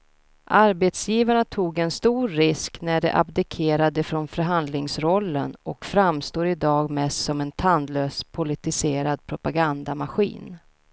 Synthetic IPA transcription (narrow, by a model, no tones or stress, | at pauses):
ʔaɾbet̪sjiːvaɳat̪ʰuːɡɛnst̪uːɾːɪsknæɖɛ̰ʔa̰bd̪ɪkʰeːɾad̪əfɾɔnfœɾɦand̪lɪŋsɾɔlːə̰nʔɔkfɾamst̪oːɾɪd̪ɑːɡmɛst̪sɔmɛnt̪ʰand̪løːspʰʊlɪt̪ɪseːɾad̪̚pʰɾʊpaɡand̪amaɧḭːn